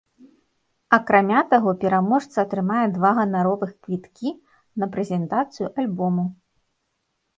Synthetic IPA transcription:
ɐkɾamʲat̪aɣɔpʲɛɾamɔʂt̪sɐːt̪ɾɨmajɛd̪vaɣɐnaɾɔvɨxkvʲit̪kʲi | nɐpɾɛzʲɛnt̪at̪sɨjuʔalʲbɔmu

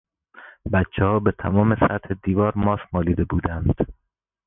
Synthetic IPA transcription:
bæt̪t͡ʃʰːehɒːbet̪ʰæmɒːme̞sæt̪hed̪iːvɒːɾmɒːsmɒːliːd̪e̞buːd̪ænd̪̥

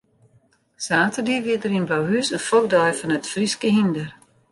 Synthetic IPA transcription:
saːtərdiəʋitdərinblawɦysənfok̚dɔjfɔnətfriskəɦindər

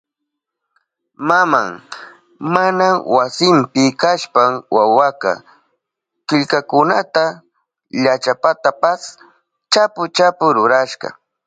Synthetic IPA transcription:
mama̰ŋ | manawasɪmpɪkaʃpaŋwawaka̰ | kɪʎkakʊnat̪a | ʎat͡ʃapat̪apas | t͡ʃapʊt͡ʃapʊɾʊɾaʃɢɑ̰

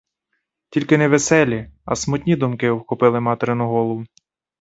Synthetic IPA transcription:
tʲilʲkɪnɛʋesɛlʲiɐ̰smʊt̪ʲnʲid̪ʊmkɪwxɔpɪlˠɪmɑt̪eɾɪnʊɦɔlˠɔwʊ

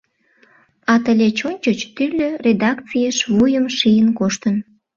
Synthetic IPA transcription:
ɑt̪əlʲet͡ɕonʲt͡ɕot͡ɕt̪ylʲøred̪ɑkt͡sijəʃvujəmʃijənkoʃt̪ən

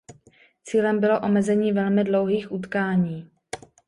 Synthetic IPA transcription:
t͡siːlɛmbɪlo̞ʔo̞mɛzɛɲiːvɛlmɪdlo̞wɦiːxʔut̪kaːɲiː

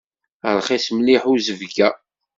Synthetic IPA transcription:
əɾˤχæsmliħuzəvɡæ

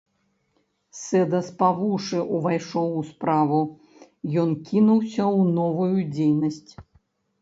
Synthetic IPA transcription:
sɛd̪ɐspavuʂɨʔuvajʂɔwuspɾavu | jɔnkʲʰinuwsʲɐwnɔvujud͡zʲejnɐsʲt͡sʲ

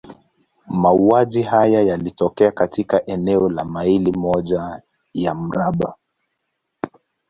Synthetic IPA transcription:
mauaʄiɦajajalitɔkɛakatʰikaʔɛnɛɔlamailimɔʄa | jam̩ɾaɓa̰

